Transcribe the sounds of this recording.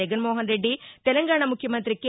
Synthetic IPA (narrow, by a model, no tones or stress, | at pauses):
ɐɡɐnmoːɦɐnɾeɖːit̪ɛlɐŋɡaːɳɐmukʰjɐmɐnt̪ɾikːe